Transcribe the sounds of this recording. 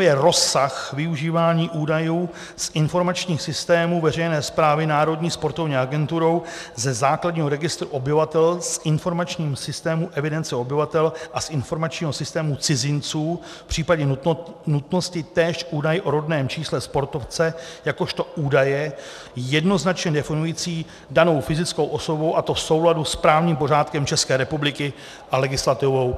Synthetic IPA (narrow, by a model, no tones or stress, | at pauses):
jɛɾo̞saxvɪuʒiːvaːɲiːʔuːdajuː | sʔɪnfo̞ɾmat͡ʃɲiːxsɪst̪ɛːmuːvɛr̝ɛjnɛːspɾaːvɪnaːɾo̞dɲiːspo̞ɾt̪o̞vɲiːaɡɛnt̪uɾo̞wzɛzaːkladɲiːɦo̞ɾɛɡɪst̪ɾuʔobɪvat̪ɛlsʔɪnfo̞ɾmat͡ʃɲiːmsɪst̪ɛːmuʔɛvɪdɛnt͡sɛo̞bɪvat̪ɛlʔasʔɪnfo̞ɾmat͡ʃɲiːɦo̞sɪst̪ɛːmut͡sɪzɪnt͡suː | pr̝̥iːpaɟɛunut̪no̞scɪt̪ɛːʃʔuːdajɪʔoɾo̞dnɛːmt͡ʃiːslɛspo̞ɾt̪o̞ft͡sɛjako̞ʃt̪o̞ʔuːdajɛ | jɛdno̞znat͡ʃɲɛdɛfɪnujiːt͡siː | dano̞wfɪzɪt͡sko̞wʔoso̞bo̞wʔat̪o̞fso̞wladuspɾaːvɲiːmpo̞ɾ̝aːt̪kɛmt͡ʃɛskɛːɾɛpublɪkɪ | ʔalɛɡɪslat̪ɪvo̞w